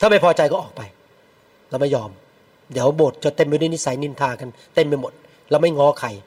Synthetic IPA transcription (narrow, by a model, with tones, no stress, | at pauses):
t̪ʰaː˥˩ma˥˩jpʰɔː˧t͡ɕa˧jkɔː˥˩ʔɔː˨˩k̚pa˧j | lɛː˦˥˩ma˥˩jɔː˧m | d̪iː˨˦əwboː˨˩t̪̚t͡ɕɔ˧˦t̪e˧mpa˧jdu˥˩˨ni˦˥sa˨˦jni˧nt̪ʰaː˧ka˧nt̪e˥˩mpa˧jmo˨˩t̪̚ | lɛː˦˥˩wma˥˩jŋɔː˦˥kʰa˧˩j